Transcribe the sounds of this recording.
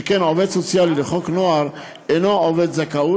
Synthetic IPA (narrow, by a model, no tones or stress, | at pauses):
ekenʕoved̪sot͡sjalileχoknoaʁ | enooved̪zakau